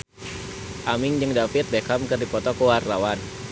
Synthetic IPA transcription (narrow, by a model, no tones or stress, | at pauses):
ʔamɪŋd͡ʒəŋdapit̪̚bekamkɨrdipɔt̪ɔkuwarlawan